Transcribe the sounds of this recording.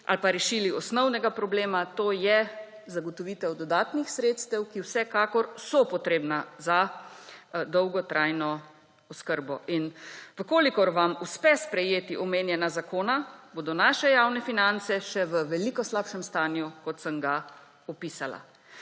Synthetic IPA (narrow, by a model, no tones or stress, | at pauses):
ʔa̰lpaɾɛʃiːliɔsnɔwnɛɡapɾɔbleːmat̪oːjɛ | zaɡɔt̪ɔʋiːt̪ɛwd̪ɔd̪aːt̪nixsɾeːt̪st̪ɛwkiwsɛkaːkɔɾsɔpɔt̪ɾeːbnaza | d̪ɔwɡɔt̪ɾʔaːjnɔ | ɔskəɾbɔʔinʋəkoːlikɔɾʋamuspɛspɾɛjeːt̪iʔɔmeːnjɛnazakoːnaboːd̪ɔnaːʃɛjaːwnɛfinant̪sɛʃɛʋəʋɛlikɔslaːpʃɛmst̪aːnjukɔt̪səmɡa | ɔpiːsala̰